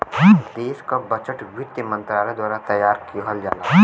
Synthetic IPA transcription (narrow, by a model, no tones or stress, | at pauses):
d̪eːʃkabɐt͡ʃəʈʋɪt̪jəmə̃nt̪ɾaːled̪waːɾat̪ɐjːaːɾkioɦəld͡ʒa̰ːla̰ː